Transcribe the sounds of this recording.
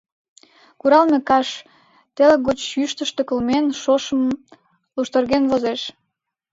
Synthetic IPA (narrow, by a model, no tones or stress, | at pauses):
kuɾɑlmekɑʃ | t̪eləkːot͡ɕjyʃt̪əʃt̪ĕkə̆lmenʃoʃə̆m | luʃt̪ərɣenvozeʃ